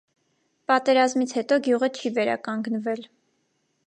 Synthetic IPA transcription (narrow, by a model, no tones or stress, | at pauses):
pɑt̪ɛɾɑzmit͡sʰhɛt̪ɔɡjuʁət͡ʃʰivɛɾɑ̰kɑŋɡnvɛl